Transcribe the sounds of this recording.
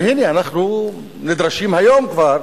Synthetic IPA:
hinianaχnu | nid̪ɾaʃimhajo̞mkvaɾ

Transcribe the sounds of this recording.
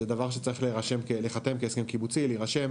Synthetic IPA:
ed̪avaʁʃ̬et͡saʁiχleʁaʃemkeleχat̪e̞mkeeskimkibut͡sileiʁaʃe̞m

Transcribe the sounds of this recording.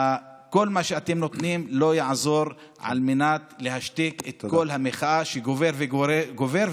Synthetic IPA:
a | ko̞lmaʃeat̪emno̞t̪nimlo̞jaʕzo̞ɾ | ʕa̰lmenat̪lehaʃt̪eket̪ko̞lhameχaaʃeɡoveveɡoveɾ

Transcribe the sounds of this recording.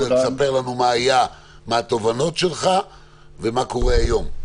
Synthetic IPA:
esape̞ʁlanumaːja | meat̪o̞vano̞tʃelχa | vemako̞ʁeajo̞m

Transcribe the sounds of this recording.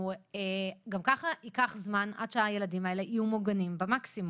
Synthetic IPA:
eɡamkaχaʔikaχzmanʔa̰d̪ʃeaje̞ladimae̞le̞ʔijumoɡanimbemaksim

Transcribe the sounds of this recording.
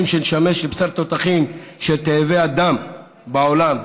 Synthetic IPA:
imʃenʃameʃlepsaʁt̪ot̪aχimʃet̪eːvead̪am | baolam

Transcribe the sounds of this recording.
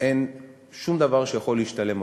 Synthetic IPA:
ʔe̞n | ʃumd̪avaʁʃejaχo̞liːʃtale̞mo

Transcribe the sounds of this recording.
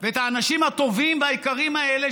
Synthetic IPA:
veet̪haːnaʃimat̪o̞vimveajikaʁimaele

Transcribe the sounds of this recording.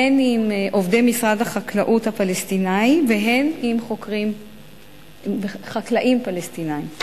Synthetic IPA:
henimʔo̞vdejmisʁadhaχaklaʔuthapalestinaiveɦe̞nimχokʁim | eχaklaʔimpalestinaim

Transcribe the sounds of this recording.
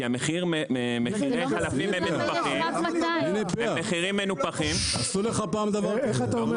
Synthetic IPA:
iameχiʁemeχiʁejalafimemmenupaχimninipameχiʁimːenupaχimasuleχapaːmd̪avaʁeat̪aom

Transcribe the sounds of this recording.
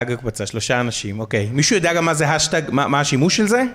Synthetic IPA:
aɡakbat͡saʃloʃaːnaʃimokejmiʃujod̪eaɡamːazeɦaʃt̪aɡmamahaʃimuʃelze

